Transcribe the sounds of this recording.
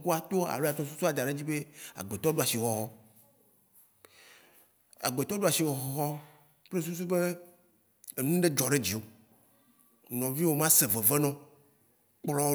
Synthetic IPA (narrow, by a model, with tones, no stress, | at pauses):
ko˦a˨t̪o˦a̰˨lo˦a˨t̪ɔ̃˦s̬u˦su˦a˨d̪a˨ɖe˦d͡ʑi˦be˦a̰˨ɡ͡be˨t̪ɔ˦ɖu˦a˨si˨xɔ˨ɦɔ˦ | a̰˨ɡ͡be˨t̪ɔ˦ɖu˦a˨si˨wɔ˨ɦɔ˦ɦɔ˦ | k͡ple˦s̬u˦s̬u˦be˦ | e˨nũ˦ɖe˦d͡ʒɔ˨ɖe˦d͡ʑi˨o˨ | nɔ̃˨vi˦wo˦mã˦se˨ve˨ve˦nɔ̃˦ | k͡plɔ˦